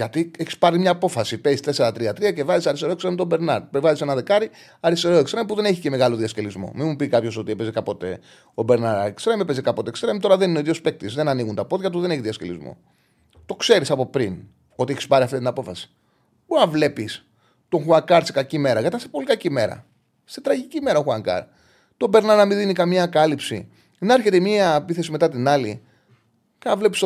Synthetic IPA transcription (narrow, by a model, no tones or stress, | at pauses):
ʝɐt̪ieçi̥spɐɾimɲɐːpo̞fɐsipe̞ist̪e̞seɾɐt̪ɾiɐt̪ɾiɐcevɐzisɐɾist̪eɾoekst̪ɾɐmt̪obe̞ɾnɐɾpevɐzisenɐðe̞kɐɾi | ɐɾist̪e̞ɾoekst̪ɾɐmipuðe̞neçice̞meɣɐlo̞ðiɐsce̞lizmo̞̰mimupikɐpço̞so̞t̪iepezekɐpo̞t̪e̞ | obe̞ɾnɐɾɐekst̪ɾɐimepezekɐpo̞t̪ekst̪ɾɐimt̪o̞ɾɐðe̞nineoiðiospe̞k̚t̪izðe̞nɐniɣunt̪ɐpo̞ðʝɐt̪uðe̞ne̞çiðiɐsce̞lizmo̞̰ | t̪o̞kse̞ɾisɐpo̞pɾin | o̞t̪ieçi̥spɐɾiɐft̪it̪t̪inɐpo̞fɐsi̥ | buɐvle̞pis | t̪o̞ŋxuɐŋkɐɾsi̥kɐcime̞ɾɐkɐt̪ɐsepolikɐcime̞ɾɐ̰ | st̪et̪ɾɐʝicime̞ɾɐoxuɐŋkɐ̰ɾ | t̪o̞be̞ɾnɐɾɐmiðinikɐmɲɐkɐlipsḭ | nɐɾçe̞t̪emiɐpiθe̞simet̪ɐt̪inɐli | kɐvle̞pis